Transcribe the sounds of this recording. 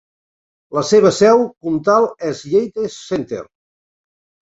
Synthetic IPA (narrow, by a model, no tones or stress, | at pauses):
ləseβ̞əsɛwkunt̪alˠɛzʎejt̪esːent̪ḛɾ